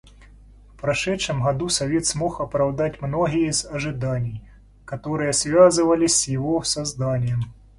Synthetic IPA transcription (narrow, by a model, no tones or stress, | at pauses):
fpɾɐʂɛtʂɨmɦɐd̪usɐvʲet̪smoxɐpɾɐwd̪atʲmnoɦʲɪjəzɐʐɨd̪anʲɪj | kɐt̪oɾɨjəsvʲazɨvɐlʲɪsʲsʲjɪvosɐzd̪anʲɪjɛm